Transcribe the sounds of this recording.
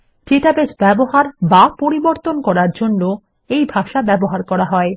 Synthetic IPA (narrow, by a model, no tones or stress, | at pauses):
d͡ʑeʈabesbɛboɦaɾbapoɾiboɾt̪onkɔɾaɾd͡ʑonːo | ejbʱaʃabɛboɦaɾkɔɾaɦɔe